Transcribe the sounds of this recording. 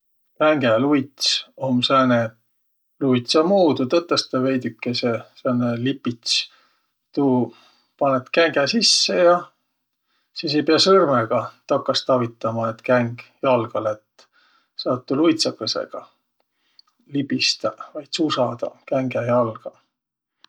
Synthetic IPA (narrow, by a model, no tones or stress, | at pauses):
kæŋɡelujt̪somsæːne | luijt̪sɑmuːd̪ut̪ɤt̪ˑːest̪ɑve̞jd̪ykːesesæːnelipːit̪s | t̪u | pɑnet̪kæŋɡ̥ɛsisːejɑ | siːs̬ejpeɑsɤrmeɡ̥ɑt̪ɑkːˑɑst̪ɑvit̪ːˑɑmɑet̪kæŋɡ̥jɑlɡ̥ɑlet̪ | sɑːt̪ːulujt̪sɑkːesḛɡ̥ɑ | libist̪ɑvɑjt̪susɑd̪̥ɑ̰kæŋɡejɑlɡ̥ɑ